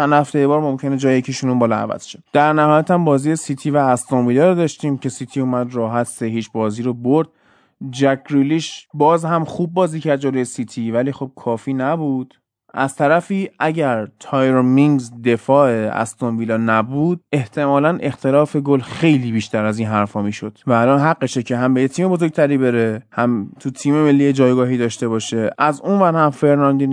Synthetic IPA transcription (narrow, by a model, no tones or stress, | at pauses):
ænhæft̪ejebɒːɾmo̞mcʰened͡ʒɒːjejecʰiʃunumbɒːlɒæ̰væ̰z̥ʃed̪̥æɾnæhɒːjæt̪hæmbɒːziːjesit̪ʰiːvæːst̪onviːlɒːɾed̪ɒːʃt̪iːmcʰe̞siːt̪ʰiːuːmæd̪rɒːɦæt̪ʰseɦiːt͡ʃʰbɒːziːɾoboɾd̪̥̚ | d͡ʒæɡɾuliːʃbɒːzhæmxuːb̚ːɒːziːcʰæɾd̪̚d͡ʒoloje̞sit̪ʰiːvæliːxo̞b̚kʰɒːfiːnæbuːd̪̥ | ʔæz̥t̪ʰæɾæfiːʔæɟæɾt̪ʰɒːjɾomiŋɡzd̪e̞fɒːʔeæ̰st̪onviːlɒːnæbuːd̪̚e̞ht̪ʰe̞mɒːlænʔe̞xt̪ʰe̞lɒːfe̞ɡolxe̞jliːbiːʃt̪ʰæɾæziːnɦæɾfɒːmiːʃo̞d̪̥væːlɒːnɦæɡːeʃecʰe̞ɦæmbejet̪ʰiːme̞bozoɡ̚t̪ʰæɾiːbe̞ɾe̞hæmt̪ʰut̪ʰiːme̞me̞lːijed͡ʒɒːjɡɒːɦiːd̪ɒːʃt̪e̞βɒːʃe̞ʔæzunvæɾhæmfe̞ɾnɒnd̪in